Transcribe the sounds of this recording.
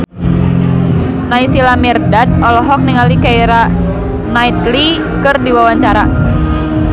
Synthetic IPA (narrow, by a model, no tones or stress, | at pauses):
naisilamɛrdad̚ɔlɔɦɔk̚niŋalikaiɾa | nait̪li | kɨrdiwawaɲt͡ʃaɾa